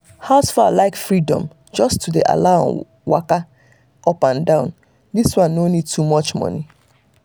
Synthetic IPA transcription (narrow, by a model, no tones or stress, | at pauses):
haʊsfalaɪkfɹidɔ̰̃m | d͡ʒɔstudeʔa̰laʊɔ̰̃ | wa̰ka | ɔpãndãʊ̃n | diswãnːonid̚tʰumɔt͡ʃmɔ̰ni